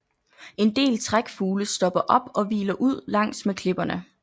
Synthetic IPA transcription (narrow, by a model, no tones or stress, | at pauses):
e̝nd̥e̝̰ːlt͡sʰʁaɡ̥fuːləsd̥ɒ̽b̥ɐʔɒ̽b̥ɒ̽ʋḭːlɐʔuð̞̰ˠlɑ̈ŋ̰smekʰle̝b̥ɐnə